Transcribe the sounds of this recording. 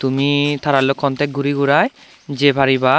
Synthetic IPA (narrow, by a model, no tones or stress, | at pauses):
t̪umit̪ʰaɾalokʰːɔnt̪ʰek̚ɡuɾiɡuɾaj | d͡ʒebʱaɾiba